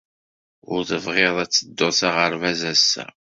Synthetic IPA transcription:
ʊ̰ɾθəvʁeðˤæt͡sːəd̪ːoθaʁəɾvæzæsːæ̰

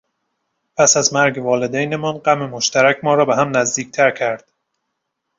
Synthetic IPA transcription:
pʰæsæzmæɾɡevɒːled̪æjnemɒnɢæmemoʃt̪ʰæɾæcʰʲmɒːɾɒːbeɦæmnæzd̪iːc̚ʰt̪ʰæɾcʰæɾd̪̥

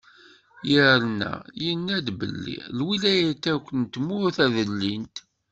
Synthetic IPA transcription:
jəɾnæ̰jənːæd̪bə̰lːḭlwilæjæt̪ːækʷːənt̪mʊθæðəlːint̪

